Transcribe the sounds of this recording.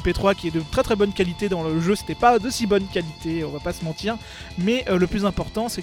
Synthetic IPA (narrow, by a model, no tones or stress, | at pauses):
pet̪χwakʲiɛd̪ət̪χɛt̪χɛbɔnkʲalit̪ed̪ɑ̃ləʒøse̥t̪ɛpad̪osibɔnkʲalit̪eɔ̰̃vapasəmɑ̃t̪iːʁ | mɛʔøləplyzɛ̃pɔʁt̪ɑ̃sɛ